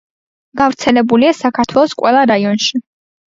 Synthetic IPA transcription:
ɡ̥avɾt̪sʰɛlɛbuliasakʰaɾt̪ʰwɛlˠɔskʼwɛlˠaɾaiɔnʃi

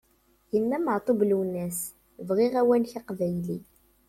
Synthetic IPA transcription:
jimːæməʕt̪ˤoblwnːæs | vʁiʁæwænçaqvæjli

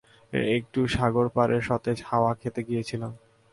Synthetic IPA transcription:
ek̚ʈuʃaɡoɾpaɾeɾʃɔt̪ed͡ʑhaoakʰet̪eɡijet͡ɕʰilom

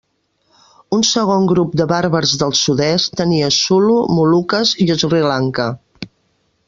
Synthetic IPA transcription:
unsəɣoŋɡɾup̚d̪əβaɾβəɾzðəlˠsuðɛst̪əniəsulumulukəziuzrilaŋkə

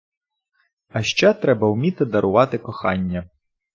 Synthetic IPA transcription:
ɐʃt͡ʃɛt̪ɾɛbɐwmʲit̪ɪd̪ɐɾʔʊʋɑt̪ɪkɔxɑ̰nʲːɐ

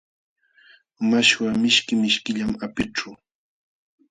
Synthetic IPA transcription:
maʃwamɪʃkɪmɪʃkɪʎamapɪʈ͡ʂʊ

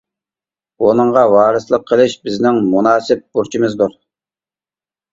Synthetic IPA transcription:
onɨɴʁɑwɑːɾɨslˠəqʰːəlˠɪʃbɪznɪŋmunɑːsɪp̚buɾt͡ʃʰimɨzd̪uɾ

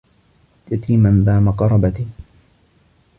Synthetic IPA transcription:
tat̪iːmanbaːmaqɑɾˤɑbat̪i

